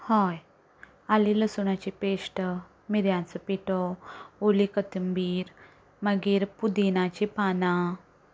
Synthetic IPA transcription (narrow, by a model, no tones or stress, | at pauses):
hɔj | aliləsuɳat͡ɕipeʂʈə | miɾjãnt͡səpiʈoolikət̪əmbiːɾ | məɡiːɾpud̪inat͡ɕipanã